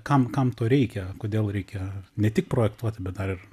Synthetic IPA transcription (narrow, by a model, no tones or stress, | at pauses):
kɐmkɐmt̪oːɾʲɛɪkʲɛkoːd̪ʲeːlˠɾʲɛɪkʲɛnʲɛt̪ʲɪk̚pɾoːjɛkt̪uɔt̪ʲɪbʲɛt̪̚d̪ɐɾɪr